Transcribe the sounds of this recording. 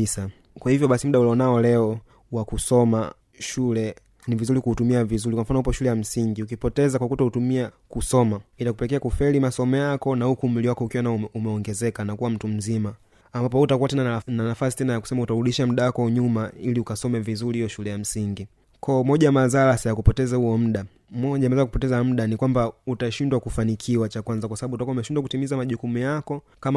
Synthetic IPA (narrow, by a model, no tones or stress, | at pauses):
sa | kwahivjɔɓasim̩uɗaulɔnaɔlɛɔ | wakusɔma̰ | ʃulɛ | nivizulikuutumiavizulikwam̩fanɔhupɔʃulɛjam̩siŋɡiukipɔtɛzakwakutahutumia | kusɔmaitakupɛlɛk̬ɛakufɛlimasɔmɛjakɔnaukumliwakɔukiwanaumɛɔŋɡɛzɛkanakuwam̩tum̩zimaː | mbapɔutakuwatɛnananafasi̥tɛnajaku̥sɛmautaɾuɗiʃam̩ɗawakɔɲumailiukasɔmɛvizulihijɔʃulɛjam̩siŋɡi | kʰɔɔmɔʄamazalasajakupɔtɛzahuɔm̩ɗa | mɔʄamɛzakupɔtɛzam̩ɗanikwambautaʃindwakufanikʰiwat͡ʃakwanzakwasaɓaɓutakwaumɛʃindwakutimizamaʄukumujakɔ | kam